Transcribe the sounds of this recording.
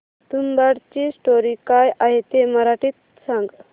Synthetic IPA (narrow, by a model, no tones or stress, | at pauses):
t̪unbaɽt͡ɕiːsʈoɾikajʔaɦet̪eməɾaʈiːt̪ | sãŋɡ